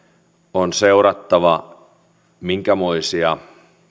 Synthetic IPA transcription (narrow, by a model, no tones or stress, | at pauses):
onseuɾɑt̪ːɑʋɑ | miŋkæmoisiɑ